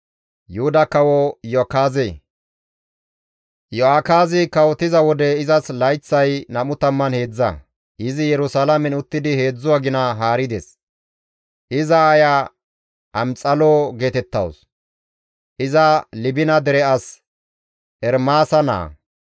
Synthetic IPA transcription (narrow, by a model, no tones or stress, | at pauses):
jʊhʊd̪ɐkɐwɔjɔkaːze | jɔaːkaːzɪkɐwɔt̪ɪzɐwɔd̪ɛɪzɐslɐjt͡sːɐjnɐmʊt̪ɐmːɐnhe̞ːd͡zːɐ̰ | ɪzɪjɛɾʊsalɐmɛnʊt̪ːɪd̪ɪhe̞ːd͡zːʊwaɡɪnɐɦaːɾɪd̪ɛ̰s | ʔɪzɐːja | ʔɐmt͡sʼɐloːɡe̞ːt̪ɛt̪ːɐ̰ws | ʔɪzɐlɪbɪnɐd̪ɛɾɛɐs | ʔɛɾmaːsɐna̰ː